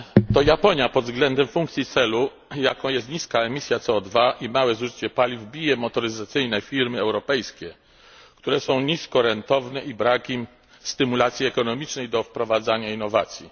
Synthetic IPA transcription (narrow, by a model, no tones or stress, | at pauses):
t̪ɔjapɔɲjapɔd̪zɡlɛnd̪ɛmfũŋkt̪sʲjit̪sɛlu | jakɔ̃w̃jɛst̪̚ɲiskaɛmʲisʲjat̪sɛɔd̪vaʔimawɛzuʐɘt͡ɕɛpalʲivbʲijɛmɔt̪ɔɾɘzat̪sɘjnɛfʲiɾmɘɛwɾɔpɛjskʲɛ | kt̪uɾɛsɔ̃w̃ɲiskɔɾɛnt̪ɔvnɛʔibɾakʲim | st̪ɘmulat̪sʲjiɛkɔnɔmʲit͡ʂnɛjd̪ɔfpɾɔvad̪zaɲainːɔvat̪sʲjḭ